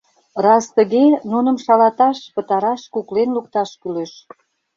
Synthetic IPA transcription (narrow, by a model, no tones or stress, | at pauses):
rɑst̪əɣenunə̆mʃɑlɑt̪ɑʃpət̪ɑɾɑʃkuklenlukt̪ɑʃkyleʃ